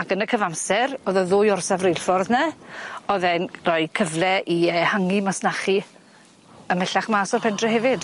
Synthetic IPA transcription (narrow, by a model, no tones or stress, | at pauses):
akənəkʰəvamsɛɾoðɔðʊːjɔrsavrejlfɔrðnɛɔðɛnrɔjkʰəvlˠɛʔiəːhaŋimasnaχi | əmɛɬaχmaːsɔrpʰɛndrɛhɛvɪd̥